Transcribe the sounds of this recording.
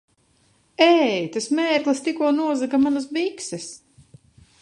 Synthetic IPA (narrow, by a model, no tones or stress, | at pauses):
ɛjt̪asmɛːɾɡlˠɨst̪ikuɔnuɔzakamanas̬biksɛs